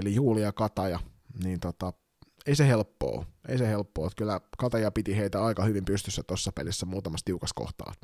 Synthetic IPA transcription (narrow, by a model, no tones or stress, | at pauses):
olijuːliɑkɑt̪ɑjɑ | niːnt̪ot̪ɑ | eisehelpːo̰ːʔeisehelpːoːt̪kylːækɑt̪ɑjɑpit̪iheit̪æɑikɑhyʋimpyst̪ysːæt̪osːɑpḛlisːæmuːt̪ɑmɑst̪iukɑsko̰ht̪ɑ̰ːt̪